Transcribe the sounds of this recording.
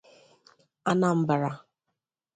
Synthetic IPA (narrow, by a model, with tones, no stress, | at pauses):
a˦na˨m̩˦ba˨ɾa˨